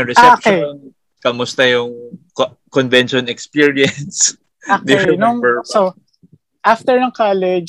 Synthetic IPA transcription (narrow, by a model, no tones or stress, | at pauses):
ɐɾɛsaɛoʃkeon | kɐmʊst̪ɐjʊŋ | kɔnvɛnʃɔnɛkspiɹiɐns | od̪ɪnʊŋɛso | ʔaft̪ɛɹnɐŋkalɛd͡ʒ